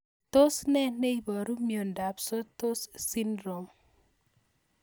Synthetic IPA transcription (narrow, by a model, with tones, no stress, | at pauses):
to˦snɛ˦ne˦i˦bɔ˨ɾu˦mjo˨nda˨pso˦to˦ssi˦ndɾo˨m